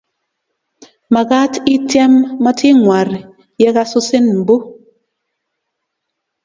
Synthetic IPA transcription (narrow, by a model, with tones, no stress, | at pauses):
ma˨ka˦ti˦tjɛ˦mːa˦tʰi˦ŋwa˨ɾ | jɛ˦ka˦sʊ˦sɪ˦nm̩˨bo˦